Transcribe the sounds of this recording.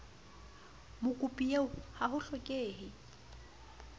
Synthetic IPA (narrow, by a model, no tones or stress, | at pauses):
mʊkʼupʼieʊhahʊɬɔkʼeːhɪ